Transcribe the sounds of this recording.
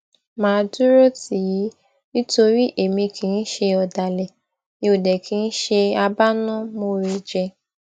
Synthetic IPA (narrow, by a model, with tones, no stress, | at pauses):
mãː˨˦du˦ɾo˦ti˨˦i˨˦ | ni˦to˧ɾi˦ʔe˨mĩ˧kʰĩ˨˦n̩˦ʃe˧ɔ˨da˨lɛ˨ | nĩ˧o˨dɛ˨kʰĩ˨˦n̩˦ʃe˧a˧ba˦nɔ̃˦mo˧ɾe˧d͡ʒɛ˧